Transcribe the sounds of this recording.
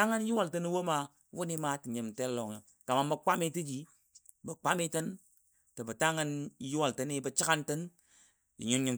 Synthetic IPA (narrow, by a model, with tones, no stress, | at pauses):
a˦ŋə˦n˦ji˦wa˨ltə˦ni˦wo˦ma˨ | wu˦ni˦ma˦ti˨ɲi˨mte˦lo˨ŋə̰˨ | ka˨ma˨mbə˨k͡pa˦mi˦ti˦d͡ʒi˦ | bə˨k͡pa˦mi˦tə˦n | tə˨bə˨ta˦ŋə˦n˦ju˦wa˨ltə˦ni˦bə˨t͡ʃi˦ka˦ntə˦n | jḭ˨ɲu˦nɲi˨m